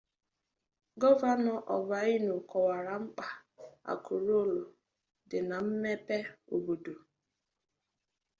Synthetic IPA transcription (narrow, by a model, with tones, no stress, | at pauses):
ɡɔ˦va˦nɔ˨ʔɔ˨ba˨˦i˦nu˨kɔ˨wa˨ɾa˨ŋ͡m̩˦k͡pa˨a̰˨kʰu˨ɾo˦˨lo˨ | dɪ˨na˨m̩˦me˦pe˦o˨bo˨do˨